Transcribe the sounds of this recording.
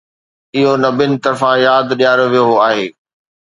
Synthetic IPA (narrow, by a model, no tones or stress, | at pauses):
ɪɦonɐbɪnɪ̆t̪ɐɾfãjaːd̪ɗijaːɾoʋijoaːɦeː